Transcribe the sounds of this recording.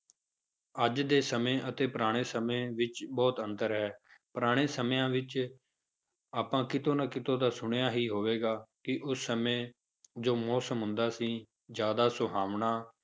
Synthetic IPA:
əd͡ʒd̪eːsəmẽːʔət̪eːpəɾaːɽ̃eːsəmẽːʋɪt͡ʃbɔːt̪ənt̪əɾɦɛːpəɾaːɽ̃eːsəmːãːʋɪt͡ʃ | aːpãːkɪt̪õːnaːkɪt̪õːd̪aːsʊɳ̃jaːɦiːɦoːʋeːɡaːkɪʔʊsːəmẽː | d͡ʒoːmɔːsəmɦʊ̃nd̪aːsĩː | d͡ʒjaːd̪aːsʊɦaːʋɳaː

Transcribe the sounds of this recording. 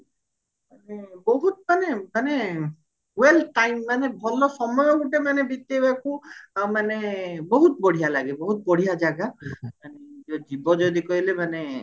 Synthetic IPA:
manebɔɦut̪̚manemane | welʈajmːanebʱɔlɔsɔmɔjɔɡuʈemanebit̪ːebakumanebɔɦut̪̚bɔɽ̤ijalaɡebɔɦut̪̚bɔɽ̤ijad͡ʒaɡamaneɔd͡ʒibɔd͡ʒɔd̪ikɔɦilemane

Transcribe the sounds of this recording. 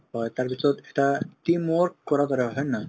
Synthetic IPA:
ɦɔjt̪aɾpit̪ɾɔt̪eʈat̪imɔɾkkːɔɾat̪ɔɾeɦɔjna

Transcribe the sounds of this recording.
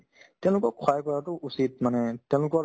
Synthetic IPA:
tɛ̃lʊkɔkʰɔjkɔɹatʊʔusit̚manɛtjɛ̃w̃lʊkɔ

